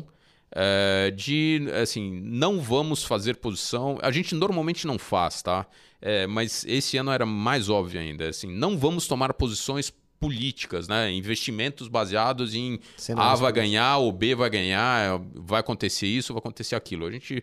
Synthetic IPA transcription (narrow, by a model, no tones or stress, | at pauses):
ɛd͡ʒɪasĩnɐ̃w̃vɐ̃mʊsfazeɾpozisɐ̃w̃a̰ʒẽnt͡ʃɪnoɾmawmẽt͡ʃɪnɐ̃w̃fa̰st̪a | ɛmɐzesɪɐ̃ñɛɾɐmajzɔbviʊa̰ḭ̃nd̪ɐɛsĩnɐ̃w̃vɐ̃mʊst̪omaɾpozisõj̃s | pulit͡ʃi̥kɐsnɛĩvest͡ʃimẽnt̪ʊzbaziad̪ʊzẽj̃ | savajɡɐ̃ɲaɾobevajɡɐ̃ɲaɛvajakõnt̪eseɾisʊvajakõt̪eseɾakilʊaʒẽnt͡ʃɪ